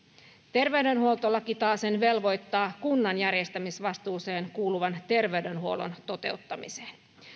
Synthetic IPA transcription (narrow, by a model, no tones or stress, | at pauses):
t̪e̞rʋe̞ɥdø̞nhuo̞lt̪olːɑkit̪ɑːse̞nʋe̞lʋo̞jt̪ːɑːkunːɑnjærjest̪æmisʋɑst̪uːse̞ːnkuːluʋɑnt̪e̞rʋe̞yɥde̞nhuo̞lo̞̰nt̪o̞t̪e̞̰ut̪ːɑmḭse̥ːn